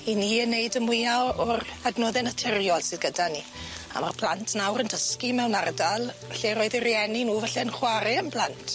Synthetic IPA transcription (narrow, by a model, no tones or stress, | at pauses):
iniənːejdəmwɪjaɔradnoːðɛnatʰɪrjɔlˠsɨðɡədani | a̰ma̰rpʰl̥ˠantʰnawɾəndəskimɛwnardalˠvaɬɛɾoɨðirjɛninuːvaɬɛnχwaɾɛənpʰlˠantʰ